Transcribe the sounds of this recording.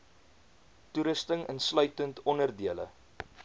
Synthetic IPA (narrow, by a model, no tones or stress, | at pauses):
tuɾəstəŋənslœɥtəntʰɔnərdiələ̰